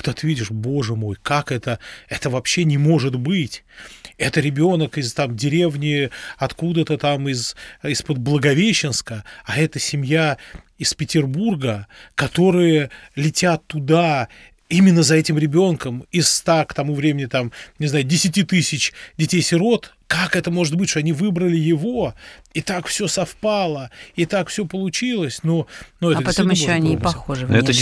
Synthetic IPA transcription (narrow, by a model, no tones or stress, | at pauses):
kt̪ot̪ɨvʲidʲɪʂbo̞ʐɨmo̞jkakɛt̪əɛt̪əvɐpɕːenʲɪmo̞ʐɨt̪bɨtʲ | ɛt̪əɾʲɪbʲo̞nəkɪzt̪amdʲɪɾʲe̞vnʲɪɐt̪kud̪ət̪ət̪amɪzɪspəd̪̚blˠəɡɐvʲeɕːɪnskəaɛt̪əsʲɪmʲja | ɪspʲɪtʲɪrburɡəkɐt̪o̞ɾɨjəlʲɪtʲat̪ːʊd̪a | imʲɪnːəzɐɛtʲɪmɾʲɪbʲo̞nkəmɪst̪akt̪ɐmuvɾʲemʲɪnʲɪt̪amnʲɪzajʊdʲɪsʲɪtʲit̪ɨsʲɪt͡ɕdʲɪtʲejsʲɪɾo̞t̪ | kakɛt̪əmo̞ʐɨt̪̚bɨtʲʂt̪oɐnʲivɨbɾəlʲɪjɪvo̞it̪akfsʲo̞sɐfpalˠəɪt̪akfsʲopəlˠʊt͡ɕilˠəsʲnonuɛəpɐt̪omjɪɕːoɐnʲipɐxoʐɨvɛt̪